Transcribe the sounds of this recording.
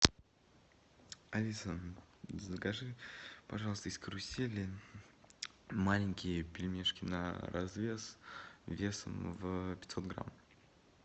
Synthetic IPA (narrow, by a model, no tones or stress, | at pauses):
ɐlʲisəzəkɐʐɨpɐʐɑlˠəst̪əɪskɾʊsʲelʲɪ | malʲɪŋʲkʲɪjəpʲɪlʲmʲeʂkʲɪnə̰ɾʔɐ̰zvʲesvʲesə̰mvpʲɪt̪sot̪̚ɡɾa̰m